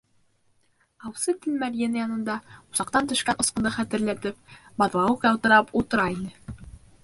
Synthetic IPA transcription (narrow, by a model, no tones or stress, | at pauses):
ɑwsɤt̪ɘlmæɾʲjenɑjɑnɤ̆nd̪ɑuzɑqt̪ɑnt̪ɵ̆ʃkænʔŏsqɤ̆nd̪ɤχæt̪ɘ̆ɾlæt̪ɘp̚bɑðlˠɑwɤqjɑwˠt̪ɤ̆ɾɑput̪ɤ̆ɾɑinɘ